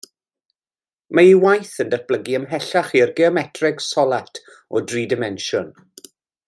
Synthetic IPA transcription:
maiwajθəndəθb̥ləɡiəmɦɛɬaχirɡɛɔmɛtʰrɪɡsɔlˠatʰ | ɔdriːdɪmɛnʃʊn

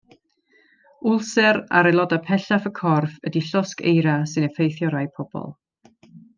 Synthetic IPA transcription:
ʊlˠsɛɾa̰ɾɛlˠɔdapʰɛɬafəkʰɔrfədiɬɔskḛjɾasɨnəfejθjɔɾajpʰɔb̥ɔ̰lˠ

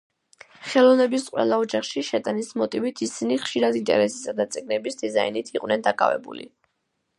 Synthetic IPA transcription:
χɛlˠɔvnɛbisqʼwɛ̰lˠaɔd͡ʒaχʃiʃɛt̪ʼanismɔt̪ʼivit̪ʰisiniχʃiɾad̪int̪ʼɛ̰ɾɛsi̥sad̪at̪sʼiɡnɛbisd̪izainit̪ʰiqʼwnɛnd̪akʼa̰vɛ̰bṵlḭ

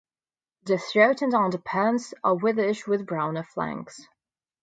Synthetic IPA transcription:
ðəθɹoʊʔn̩də̃ndəpʰɜːnsəwɪðəʃ̚wɪðbɹãʊ̃nəflæ̰̃ŋks

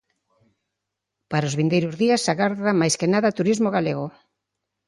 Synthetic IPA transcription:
paɾaozβind̪ejɾʊzðiasːaɣaɾðamajskenaðat̪uɾizmoɣaleɣo

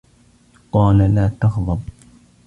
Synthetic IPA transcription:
qɑːlalaːt̪ɑxðˤɑb̚

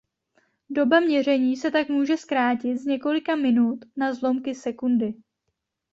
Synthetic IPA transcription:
do̞bamɲɛr̝ɛɲiːsɛt̪akmuːʒɛskɾaːcɪt̪zɲɛko̞lɪkamɪnut̪nazlomkɪsɛkundɪ

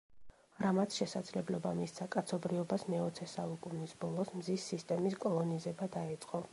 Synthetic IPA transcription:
ɾamat̪sʰʃɛsad̪zlɛblɔbamissʰakʼat̪sʰɔbɾiɔbasmɛɔt̪sʰɛsaukʼunisbɔlˠɔsmzisːist̪ʼɛmiskʼɔlˠɔnizɛbad̪aɛt̪sʼqʼɔ

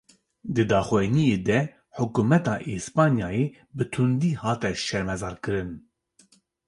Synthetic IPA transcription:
d̪ɨd̪ɑːxuɛnijeːd̪ɛ | ħʊkumɛt̪ɑːʔeːspɑːnjɑːjeː | bɨt̪ʰund̪iːhɑːt̪ɛʃɛɾmɛzɑːɾkɨɾɨn

